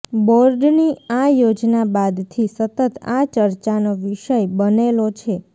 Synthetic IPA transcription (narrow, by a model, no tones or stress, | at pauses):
bɔɾɖniajod͡ʒnabad̪t̪ʰisət̪ət̪at͡ʃəɾt͡ʃanoʋiʃəjbənelot͡ʃʰe